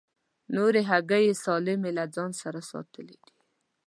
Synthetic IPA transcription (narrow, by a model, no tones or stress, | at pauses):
noɾeɦaɡajesɑlɪmelad͡zɑnsaɾasɑ̰t̪əled̪̥i̥